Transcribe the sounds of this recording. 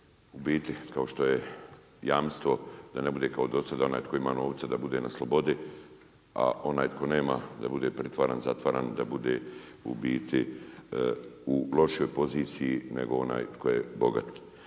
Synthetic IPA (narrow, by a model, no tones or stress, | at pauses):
ubiːt̪ikao̞ʃt̪o̞je | jaːmst̪ʋo̞d̪ane̞bud̪e̞ːkaod̪o̞sad̪ao̞naːjt̪ko̞imaːno̞ːʋt̪sad̪abud̪e̞ːnaslˠo̞bo̞d̪i | a̰o̞naːjt̪kʰo̞neːmad̪abud̪eːpɾet̪ʋaːɾa̰ːnzat̪ʋaːɾaːnd̪abud̪eṵbiːt̪ʰi | ulo̞ʃijo̞jpo̞ziːt̪sijinḛɡo̞o̞na̰ːjt̪kʰo̞jebo̞ɡa̰t̪